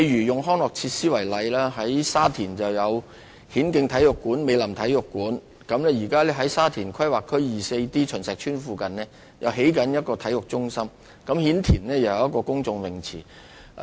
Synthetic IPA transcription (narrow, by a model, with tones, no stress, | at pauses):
e˧jjyː˨˩jʊ˨ŋɦɔː˥ŋlɔː˨k̚t͡sʰiː˧t̚siː˥wɐ˨˩jlɐ˨˧jlaː˥ɦɐ˨˥jsaː˥t̪ʰiː˨˩nt͡sɐ˨wjɐ˨˧w | hiː˨˥nkɪ˧ŋt̪ʰɐ˨˥jʊ˨kːuː˨˥nme˨˧jlɐ˨˩mt̪ʰɐ˨˥jʊ˨˩kːuː˨˥n | kɐ˨˥mlɛ˥jiː˨˩kaː˥lɛː˥ɦɐ˨˥jsaː˥t̪ʰiː˨˩nkʰɐ˥jwaː˨kʰːɵ˥ɥjiː˨˩se˧jt̪iː˥t͡ʃʰɵ˨˩nsɛː˨k̚t͡ʃʰyː˥nfuː˧kɐ˨nlɛː˥ | jɐ˨wɦe˨˥jkɐ˨˥njɐ˥t̚kɔː˧t̪ʰɐ˨˥jʊ˨k̚t͡sʊ˥ŋsɐ˥m | kɐ˨˥mhiː˨˥nt̪ʰiː˨˩nlɛː˥jɐ˨˩˨jɐ˥t̚kːɔː˧kʊ˥ŋt͡sʊ˧ŋwɪ˨˩ŋt͡sʰiː˨˩